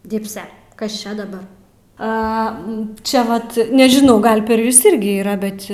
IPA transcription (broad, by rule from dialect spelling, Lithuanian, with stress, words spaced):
ˈdʲɪpʲsʲɛ ˈkɐs ˈt͡ʃʲɛ dɐˈbɐr ˈɐ ˈt͡ʃʲɛ ˈʋɐt nʲɛʒʲɪˈnɐʊ ˈɡɐlˠ pʲɛr ˈjʊs ˈɪrʲɡʲɪ iːˈrɐ ˈbʲɛt